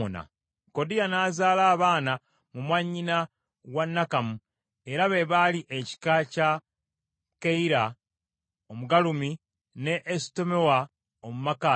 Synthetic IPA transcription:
ona̰ | ko̞dijanaːzaːlaːβaːna | mumwaɲːina | ɣwanːakamu | e̞ɾaβe̞βaliʔeci̥kaca | keiɾa | omuɡalumi | ne̞ʔːsi̥to̞me̞wa | omumaka

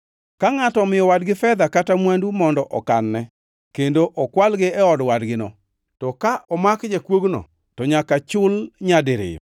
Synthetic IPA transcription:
kaŋatɔmɪjɔwadɡɪfɛd̪akatamwandumɔndɔʔɔkanːɛ | kendoʔɔkwalɡɪɛɔdwadɡɪnɔ | tɔkaʔɔmakd͡ʒekwoɡnɔ̰ | tɔɲakat͡ʃʊlɲadeɾɪ̰j

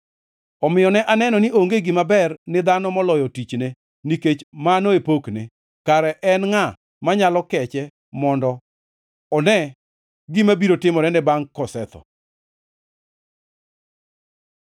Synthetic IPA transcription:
ɔmɪjɔnɛʔanɛnɔnɪʔoŋɡeɡɪmabɛrnɪd̪anɔmɔlɔjɔtit͡ʃne | niket͡ʃmanoepokne | kaɾɛʔɛnŋa | maɲalɔkɛt͡ʃɛ | mɔndɔ | ɔnɛ | ɡimabiɾotɪmɔnɛnɛbaŋkɔsɛt̪ɔ̰

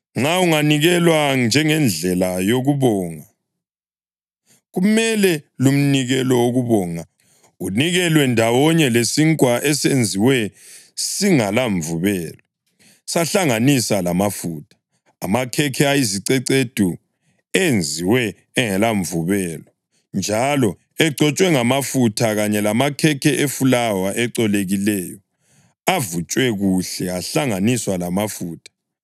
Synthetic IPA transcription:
ŋ͡ǁauŋaniɣɛlwand͡ʒʱɛŋɛnd͡ɮʱɛlajoɣuβɔːŋa | ɣumɛlɛlum̩niɣɛlɔoɣuβɔːŋa | uniɣɛlwɛndʱawɔɲɛlesiŋkʼwaʔɛsend͡zʱiwɛ | siŋalaɱvuβɛːlɔ | saɬaŋanisalamafuːtʰḁː | makʰɛkʰɛajiziǀɛǀed̥ʱu | end͡zʱiwɛː | ŋɛlaɱvuβɛːlɔ | nd͡ʒʱalɔ | ɛɡ͡ǀʱɔt͡ʃʼwɛŋamafutʰaɣaɲɛlamakʰɛkʰɛʔefulawaʔɛǀɔleɣilɛjɔ | avut͡ʃʼwɛɣuɬɛaɬaŋaniswalamafuːtʰḁ

